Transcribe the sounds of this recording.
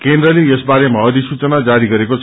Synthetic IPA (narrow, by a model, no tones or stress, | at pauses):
kend̪rʌleesbaɾemaʌd̪isut͡sʌnad͡zaɾiɡʌɾeko